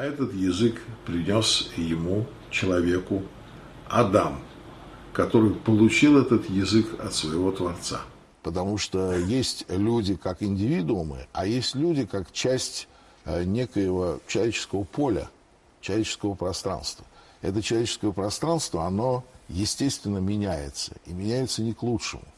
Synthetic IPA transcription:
ɛt̪ət̪jɪzɨkpɾʲɪnʲo̞sjɪmu | t͡ɕɪlˠɐvʲekʊ | ɐd̪am | kɐt̪o̞ɾɨjpəlˠʊt͡ɕilˠɛt̪ət̪jɪzɨkɐ̰t̪svəjɪvo̞t̪vɐrt̪sa̰ | pət̪ɐmuʂt̪ojesʲtʲlʲudʲɪkakɪnʲdʲɪvʲid̪ʊʊmɨ̰ajesʲtʲlʲudʲɪkakt͡ɕæsʲtʲ | nʲe̞kəjəvət͡ɕɪlˠɐvʲet͡ɕɪ̥skəvəpʰo̞lʲə̰ | t͡ɕɪlˠɐvʲet͡ɕɪ̥skəvəpɾɐst̪ɾa̰nst̪və | ɛ̰t̪ət͡ɕɪlˠɐvʲet͡ɕɪskəjəpɾɐst̪ɾanst̪vəɐno̞jɪsʲtʲest̪vʲɪnːəmʲɪnʲæjɪ̰t̪sə̰imʲɪnʲæjɪt̪sənʲɪklˠutʂɨ̰mʊ̰

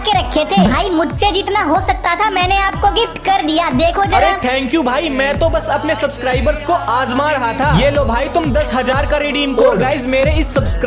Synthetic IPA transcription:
keɾɐkʰːet̪ʰebʱaːimʊd͡ʒʱsed͡ʒiːt̪naɦosɐk̚t̪at̪ʰamɛ̃ːneaːp̚koɡɪfʈkɐɾd̪ijad̪eːkʰod͡ʒɐɐɾẽt̪ʰɛ̃ːŋkjubʱaːimɛ̃ːt̪õbɐsɐpnesɐbskɾaːɪbəɾzkoʔaːzmaɾɐɦat̪ʰaːjeːloːbʱaːit̪ʊmd̪ɐsɦɐzaːɾkaɾiːɖiːmkoɡaːɪzmeːɾeɪsːɐbskɾ

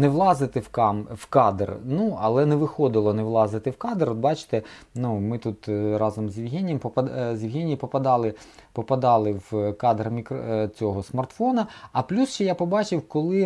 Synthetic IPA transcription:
nɛʋlˠɑzɪt̪ɪwkɑmwkɑd̪rnuɐlˠɛnɛʋɪxɔd̪ɪlˠɔnɛʋlˠɑzɪt̪ɪwkɑd̪eɾɔd̪̚bɑt͡ʃɪ̥t̪ɛnumɪt̪ut̪ɾɑzɔmzʲjɪwɦʲinʲijɛmpɔpɐzʲjɪwɦʲinʲijipɔpɐd̪ɑlˠɪpɔpɐd̪ɑlˠɪwkɑd̪ɾɐmʲikt͡sʲɔɦɔsmɐrt̪fɔnɐɐplʲusʃt͡ʃɛjapɔbɑt͡ʃɪwkɔlˠɪ

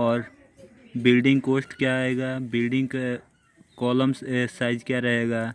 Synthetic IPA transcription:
ɔːɾ | bɪlɖɪ̃ŋɡkoːsʈkjaeːɡaːbɪlɖɪ̃ŋɡk | kɔːləmssaːɪd͡ʒkjaɾɐɦeːɡaː

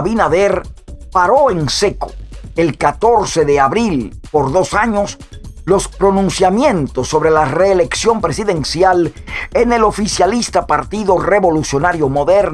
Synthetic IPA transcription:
βinaðeɾpaɾo̞ense̞ko̥elkat̪o̞ɾse̞ðe̞aβɾilpo̞ɾðo̞saɲo̞s | lo̞spɾo̞nũnsjamjent̪o̞sːo̞βɾe̞lare̞ːle̞ksjo̞mpɾe̞siðe̞nsjalene̞lo̞fisjalist̪apaɾt̪iðo̞re̞βo̞lusjo̞naɾjomo̞ðeɾn

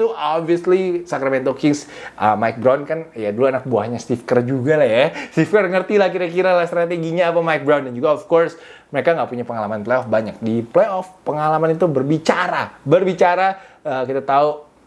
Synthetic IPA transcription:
t̪uɔbviəslisakɾamɛnt̪okɪŋsʔəmajk̚bɾawnkanjaduluanak̚buahɲast̪ifkərd͡ʒuɡalahjast̪ifkərŋərt̪ilahkiɾakiɾalahst̪ɾat̪eɡiɲaːpamajk̚bɾawndand͡ʒuɡaɔfkɔrs | məɾekaŋɡaʔpuɲapəŋalamanplejɔfbaɲak̚diplejɔfpəŋalamanit̪ubərbit͡ʃaɾabərbit͡ʃaɾaəːkit̪at̪au

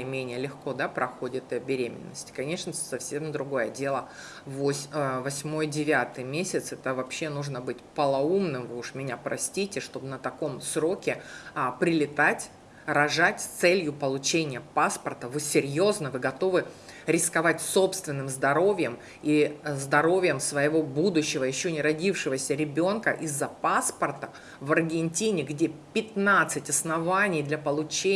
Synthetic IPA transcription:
mʲenʲɪjəlʲɪxko̞d̪apɾɐxo̞dʲɪt̪ɨɐbʲɪɾʲemʲɪ̰nːəsʲtʲɪ̥kɐnʲe̞ʂnəsɐfsʲe̞md̪ɾʊɡo̞jədʲe̞lˠə | vosʲvɐsʲmo̞jdʲɪvʲat̪ɨjmʲesʲɪt̪sɛt̪əvɐpɕːe̞nuʐnəbɨtʲpəlˠɐumnɨmvɨʊʂmʲɪnʲapɾɐsʲtʲitʲɪʂt̪o̞bɨnət̪ɐko̞msɾo̞kʲɪpɾʲɪlʲɪt̪atʲ | ɾɐʐatʲst̪sɛlʲjʊpəlˠʊt͡ɕenʲɪjəpaspərt̪əvɨsʲɪɾʲjo̞znəvɨɡɐt̪o̞vɨ | ɾʲɪskɐvatʲso̞pst̪vʲɪnːɨmzd̪ɐɾo̞vʲɪjəm | izd̪ɐɾo̞vʲɪjəmsvəjɪvo̞bud̪ʊɕːɪvəjɪɕːonʲɪɾɐdʲifʂɨvəsʲəɾʲɪbʲo̞nkəʔizːɐpaspərt̪ə | vɐrɡʲɪnʲtʲinʲɪɡdʲepʲɪt̪nat̪sɨtʲɐsnɐvanʲɪjd̪lʲɐpəlˠʊt͡ɕe

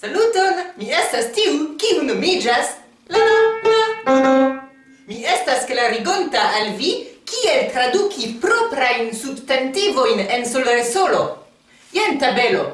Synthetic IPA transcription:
salutonmie̞stastiukiunomid͡ʒas | lanoma | mie̞stasklaɾiɡo̞ntaːlvikie̞ltɾadukipɾo̞pɾajnsubtentivo̞jnensolveɾso̞lo̞ | jentabe̞lo̞̰

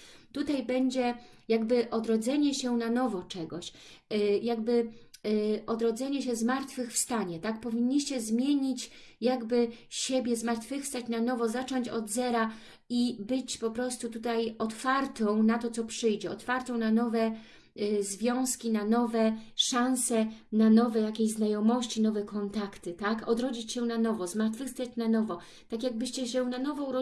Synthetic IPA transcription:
t̪ut̪ajbɛɲd͡ʑɛjaɡbɘʔɔd̪ɾɔd̪zɛɲɛɕɛnanɔvɔt͡ʂɛɡɔɕ | jaɡbɘ | ʔɔd̪ɾɔd̪zɛɲɛɕɛzmaɾt̪fɘxfst̪aɲɛt̪akpɔvʲiɲːiɕt͡ɕɛzmʲjeɲit͡ɕ | jaɡbɘɕebʲjɛzmaɾt̪fɘfst̪at͡ɕnanɔvɔzat͡ʂɔɲt͡ɕɔd̪zɛɾa | ibɘt͡ɕpɔpɾɔst̪ut̪ut̪ajɔt̪faɾt̪ɔ̃w̃nat̪ɔt̪sɔpʂɘjd͡ʑɛɔt̪faɾt̪ɔ̃w̃nanɔvɛ | zvʲjɔ̃w̃skʲinanɔvɛʂãñsɛnanɔvɛjakʲeʑznajɔmɔɕt͡ɕinɔvɛkɔnt̪akt̪ɘt̪akɔd̪ɾɔd͡ʑit͡ɕɕɛnanɔvɔzmaɾt̪fɘfst̪at͡ɕnanɔvɔ | t̪akʲjaɡ̚bɘɕt͡ɕɛɕɛnanɔvɔ̃ɾ

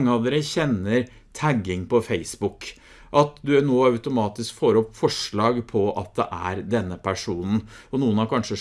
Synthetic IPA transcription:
ŋːəɑːʋd̪eːɾəçɛnːəɾ | t̪ʰæɡɪŋpʰɔfeɪsbʊk | ʔɑt̪d̪ʉnoːɑʉt̪ʊmɑːt̪ɪskfoːɾəɔpːfɔʂɭɑːɡpʰɔɑt̪̚d̪ɛ̰ʔæɾd̪ɛnːəpʰæʂuːnn̩ɔnuːənɑɾkʰɑnʂə

